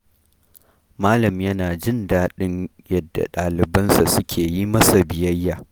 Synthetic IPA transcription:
maː˦lɐ˨mjɐ˦naː˨d͡ʒɪ˦ndaː˦ɗɪ˦ɲ | jɐ˦dːa̰˨ɗaː˨lɪ˨bɐ˦nsa˨sʊ˦kʲʰeː˨ji˦mɐ˦sa˨bɪ˨jɐ˦jːaː˨

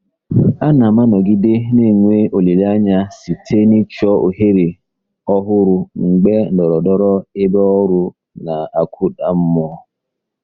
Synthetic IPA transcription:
a˦na˨ma˦nɔ˨ɡi˦de˦ne˦˨ŋʷe˦ʔo˨li˨la˦ɲa˦si˨tʰe˦ni˦t͡ʃɔ˦o˨ɦe˦ɾe˨ | ɔ˦ɦʊ˦ɾʊ˦ŋ͡m̩˨ɡ͡be˦n̩˨dɔ˨ɾɔ˨dɔ˦ɾɔ˦ɪ˦bɔ˦ɔ˦ɾʊ˦ | na˨a˨kʷʰu˦da˨m̩˦mɔ˦

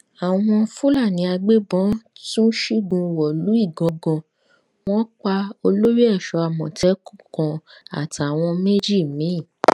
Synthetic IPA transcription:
a˨w̃ɔ̃˧fu˦la˦˨nĩ˨˧˦a˧ɡ͡be˦bɔ̃˨˦tũ˦ʃi˦ɡũ˧wɔ˨lu˨˦i˦˨ɡɔ̃˨˧ɡɔ̃˧ | w̃ɔ̃˦k͡pa˧o˧lo˦ɾi˦ɛ˦˨ʃɔ˨˧˦a˨mɔ̃˨tɛ˨˦ku˦˨kɔ̃˧a̰˨ta˨w̃ɔ̃˧me˦d͡ʒi˦˨mĩ˨˦˨

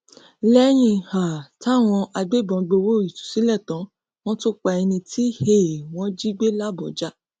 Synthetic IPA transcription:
lɛ˦j̃ĩ˧ha˨ta˦˨w̃ɔ̃˧ʔa˧ɡ͡be˦˨bɔ̃˨˧ɡ͡bo˧wo˦˨i˨tu̥˨si˨˦lɛ˦˨tɔ̃˨˦ | w̃ɔ̃˦to˦k͡pa˧ɛ˧nĩ˧ti˦he˦˨w̃ɔ̃˨˦d͡ʒi˦ɡ͡be˦la˦˨bɔ˨d͡ʒa˦

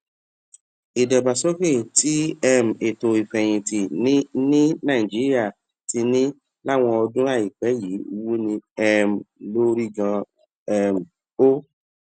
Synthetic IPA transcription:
i˨dɛ˨ba˨so˦ke˦˨ti˦ɛ˦m̩˨e˨to˧i˨fɛ̃˨j̃ĩ˨ti˨n˦nĩ˦nã˦˨i˨d͡ʒi˨˦ɾi˦a˦˨ | ti˧nĩ˦ | la˦˨w̃ɔ̃˧ɔ˧dũ˦ɾa˦˨i˨k͡pɛ˨˦ji˨˦u˧wu˦nĩ˧ɛ˦m˨lo˦ɾi˦ɡã˧ | ɛ˦m̩˨ | o˦

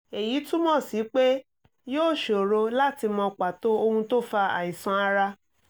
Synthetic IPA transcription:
e˨ji˨˦tũ˦mɔ̃˦˨si˨˦k͡pe˦ | joː˦˨ʃo˨ɾo˧la˦ti˧mɔ̃˧k͡pa˨to˦o˧hũ˧to˦fa˧ã̰˨ĩ˨sɔ̃˧˦a˧ɾa˧

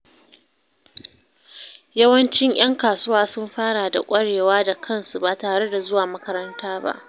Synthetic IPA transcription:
jɐ˦wɐ˦nt͡ʃɪ˦ɲʔj̰ɐ˦ŋkaː˨sʊ˦waː˦sʊ˦mɸaː˦ɽa˨da̰˨kʷʼɐ˦ɽeː˨waː˦da˨kʰɐ˦˨nsu˨ba˨taː˨ɽe˦da˨zʊ˦waː˨mɐ˦kɐ˦ɾɐ˦ntaː˦ba̰˦ʔ

